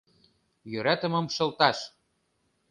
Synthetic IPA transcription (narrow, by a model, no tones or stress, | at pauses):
jøɾæt̪ə̆mɤ̆mʃɤ̆lt̪ɑʃ